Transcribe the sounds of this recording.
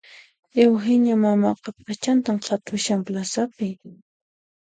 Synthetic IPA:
ewɦɪɲamamaqɑpat͡ʃant̪amqʰɑt̪ʰʊʃamplasapɪ

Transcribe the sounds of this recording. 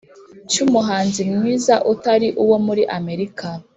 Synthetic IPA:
t͡ʃumuɦaːnzimŋiːzaʔutaɾiʔuwo̞muɾiʔame̞ɾikʰa

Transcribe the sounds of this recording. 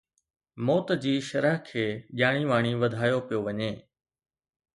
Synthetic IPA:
mɔːt̪d͡ʑiːʃɐɾəɦkʰeːʄaːɽ̃iʋaːɽ̃iʋɐd̪ʱaːjopijoʋɐɲeː

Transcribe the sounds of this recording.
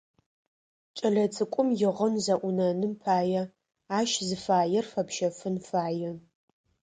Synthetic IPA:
t͡ʃʼɐɮɐt͡sʰʼɨkʷʼʊmjɪʁənzɐʔʷʊnɐnɨmpʰaːjɛ | aːʃzɨfaːjɛrfɐpʃɐfɨnfaːjɛ

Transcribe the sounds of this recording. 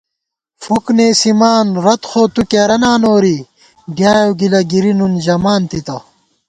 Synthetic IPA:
fukneːsimaːnɾɐt̪xoːt̪ukeɾɐnaːnoːɾi | ɡjaːjoɡilɐɡiɾinund͡ʑɐmaːnt̪it̪ɐ

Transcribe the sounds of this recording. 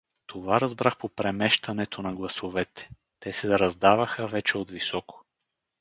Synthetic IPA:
t̪ʰovaɾɐzbɾaxpopɾɛmɛʃt̪ɐnɛt̪onɐɡlˠɐsovɛt̪ɛ̥ | t̪ɛsɛɾɐzd̪avɐxəvɛt͡ʃɛod̪visɔko̥

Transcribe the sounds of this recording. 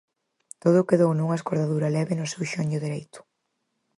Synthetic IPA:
t̪oðʊkeðownuŋɐeskoɾðaðuɾɐlɛβɪnʊsewʃoɲʊðeɾejt̪ʊ̥

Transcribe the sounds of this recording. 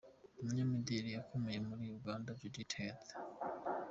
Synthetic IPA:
umuɲamidiɾijakʰomejemuɾijuɡaːndaviditʰete̥

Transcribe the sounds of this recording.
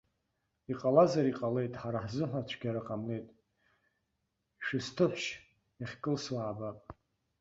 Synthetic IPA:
iqʼalazaɾiqʼale̞jtʼħaɾaħzɨħʷat͡ʃʷʰɡʲaɾaqʼamne̞jtʼ | ʃɨstʰɨħʷʃ | aχʲkʼɨlswaːbapʼ

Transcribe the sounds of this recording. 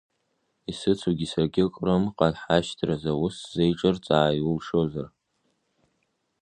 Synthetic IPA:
isɨt͡sʰuɡʲisaɡʲɪkʼramqʼanħaʃtʰrazawʊszejʈ͡ʂʼɨrt͡sʼaːjʊlʂozar

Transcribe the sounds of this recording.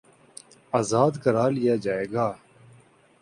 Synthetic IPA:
aːzaːd̪kəɾaːlɪjaːd͡ʒaːeːɡaː

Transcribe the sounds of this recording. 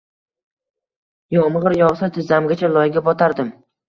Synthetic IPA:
jɒmʁɨɾjɒʁsat̪ʰɪzamɡʲat͡ʃʰalˠɒjɡʲabɒt̪ʰaɾd̪ɪm

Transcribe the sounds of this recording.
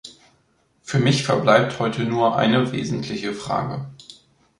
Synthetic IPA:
fyːɐmɪçfɛɐblaɪp̚thɔʏtənuːɐʔa̰ɪnəvḛːzn̩tʰlɪçəfʁ̥a̰ːɡə̰

